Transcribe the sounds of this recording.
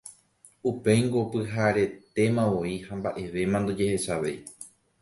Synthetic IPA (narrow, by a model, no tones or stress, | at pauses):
upe̞jŋɡopɨɦaɾe̞t̪e̞mãʋo̞ihambaʔe̞ʋe̞mãnd̪od͡ʒe̞he̞ʃaʋe̞̰j